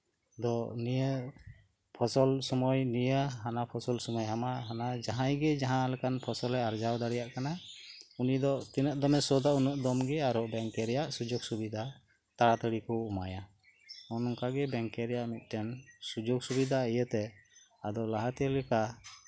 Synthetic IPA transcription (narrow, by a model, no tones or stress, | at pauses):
d̪ɔnijə | pʰɔsɔlsɔmɔjnijəɦanapʰɔsɔlsɔmɔjɦamaɦanad͡ʒaɦãjɡɛd͡ʒaɦãlɛkanpʰɔsɔlɛaɾd͡ʒawd̪aɽɛjaʔkanaunid̪ɔt̪inəʔ̪̚d̪ɔmɛsɔd̪aunɔʔd̪ɔmɡɛaɾɔbɛŋkɛɾɛjaʔsud͡ʒɔɡsubid̪ʱa | t̪aɽat̪əɽikɔumaja | ɔnɔŋkaɡɛbɛŋkɛɾɛjaʔmit̪̚ˀʈɛnsud͡ʒɔksubid̪aijət̪ɛ | ad̪ɔlaɦat̪ijəlɛka